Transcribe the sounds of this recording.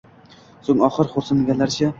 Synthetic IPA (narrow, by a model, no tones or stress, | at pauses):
soŋɒχɨɾχoɾsanɡʲanlaɾt͡ʃʰa